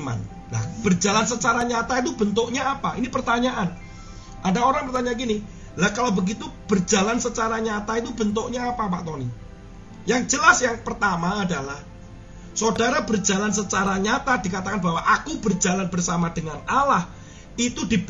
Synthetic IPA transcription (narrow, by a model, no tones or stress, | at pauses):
ma̰n | na̰b̥ərd͡ʒalans̬ət͡ʃaɾaɲat̪ait̪̬ubənt̪oʔɲaːpainipərt̪aɲaʔan | ʔadaoɾaŋpərt̪aɲaɡini | lakalawbəɡit̪ub̥ərd͡ʒalansət͡ʃaɾaɲat̪ait̪̬ubənt̪̬oʔɲaːpapa̰ʔt̪oni | jaŋd͡ʒəlasjaŋpərt̪amaːdalah | sodaɾabərd͡ʒalans̬ət͡ʃaɾaɲat̪adikat̪akanbawaʔakubərd͡ʒalanbərsamad̥əŋanalah | it̪udib